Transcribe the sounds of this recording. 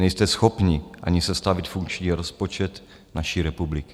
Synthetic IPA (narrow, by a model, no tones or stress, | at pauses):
nɛjst̪ɛsxopɲiʔa̰ɲɪsɛst̪avɪt̪fuŋkt͡ʃɲiːɾospot͡ʃɛt̪ | naʃiːɾɛpublɪkɪ